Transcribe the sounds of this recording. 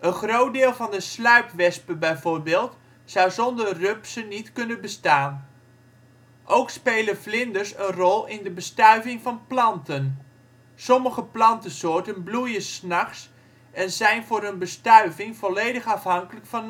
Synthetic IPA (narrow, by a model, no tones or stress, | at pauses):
ʔənχrowt̚dɪːlˠvɑndəslœɥpʋɛspəbɛjvʊːrbeːlˠt | sawzɔndərøpsənitkɵnənbəstaːn | ʔowkspejləflɪndəɹsənrɔlˠɪndəbəstœɥvɪŋvɑnplɑntən | sɔməχəplɑntəsʊːɹtənblujəsnɑχs | ɛnzɛjnvʊːɾənbəstœɥvɪŋv̥ɔlejdəχɑfɦɑŋkələkfɑn